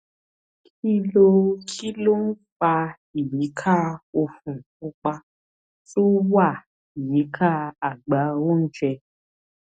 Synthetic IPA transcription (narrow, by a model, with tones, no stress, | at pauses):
kʰi˦lo˧kʰi˦lo˦n̩˦k͡pa˧ | i˨ji˨˦kʰa˦˨o˧fũ˨ | o˧k͡pa˧ | to˦wa˦˨ | i˨ji˨˦kʰa˦a˨ɡ͡ba˨˦o˦n̩˦t͡ʃɛ˧